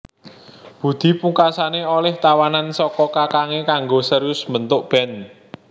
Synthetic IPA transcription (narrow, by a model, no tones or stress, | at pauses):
b̥ṳd̪̥i̤puŋkasaneolɛht̪awanansɔkɔkakaŋekaŋɡosəɾʊsmənt̪ʊʔb̥ɛ̤n